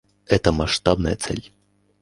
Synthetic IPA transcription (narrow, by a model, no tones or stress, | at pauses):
ɛt̪ɐmaʂt̪abnɐjɐt̪sɛ̰lʲ